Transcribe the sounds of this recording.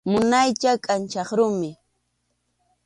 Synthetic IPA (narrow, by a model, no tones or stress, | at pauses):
mʊnajt͡ʃakʼant͡ʃɑχɾʊmɪ